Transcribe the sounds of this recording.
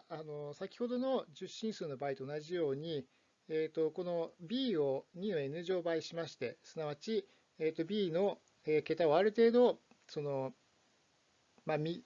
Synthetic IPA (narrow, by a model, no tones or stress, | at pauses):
ano̞sakʲi̥ho̞d̪o̞no̞d͡ʑɨɕːĩɰ̃sɨːno̞baːit̪o̞ːnaʑijo̞ːɲ̟i | eːt̪o̞ko̞no̞bʲiːo̞ɲ̟ino̞e̞nɯ̟ʑo̞ːbaiɕimaɕi̥t̪e̞sɨnaβat͡ɕi | eːt̪ːo̞bʲiːno̞ | eːke̞t̪aoaɾɯ̟t̪e̞ːd̪o̞ | so̞no̞ | mamʲi